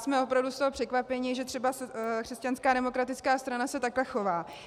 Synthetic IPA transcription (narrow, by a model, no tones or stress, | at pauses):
smɛo̞pɾavdust̪oɦopr̝̥ɛkvapɛɲɪʒɛt̪r̥ɛbasɛkr̥ɛscanskaːdɛmo̞kɾat̪ɪt͡skaːst̪ɾanasɛt̪aklɛxo̞vaː